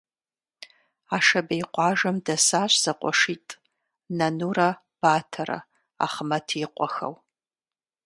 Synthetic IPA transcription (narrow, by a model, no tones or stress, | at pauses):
aːʂɐbejqʷʼɑːʒɐmdɐsaːɕʷz̥ɐqʷʼɔ̰ʂiːtʼ | nɐnuːrɐ | b̥aːtʰɐɾɐ̰ | a̰χmɐtʰiːqʷʼɔxɐ̰w